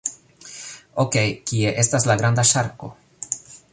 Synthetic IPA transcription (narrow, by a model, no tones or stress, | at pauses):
oke̞jkie̞ʔe̞staslaɡɾandaʃaɾko̞̰